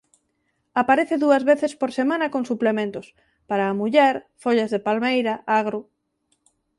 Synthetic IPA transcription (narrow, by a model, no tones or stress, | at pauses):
apaɾeθeðuɐzβeθespoɾsemãnɐkoŋsuplemẽnt̪ʊs | paɾaːmuʎɛɾfoʎazðepalmejɾɐʔaɣɾu